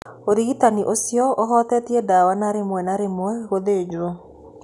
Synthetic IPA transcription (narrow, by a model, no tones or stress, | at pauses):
oɾiɣitaniʔosjɔʔoɦɔt̪ɛtiɛdawanaɾemwɛnaɾemwɛɣoðed͡ʒwo